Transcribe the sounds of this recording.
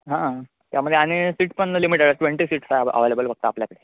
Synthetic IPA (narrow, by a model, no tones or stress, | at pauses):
ɦã | t̪jaməd̪ʱjeañisiːʈpəɳəlimiʈeɽʈʋeɳʈisiːʈsajə̰ʋelebəlfəɡ̚t̪əapljakəɽe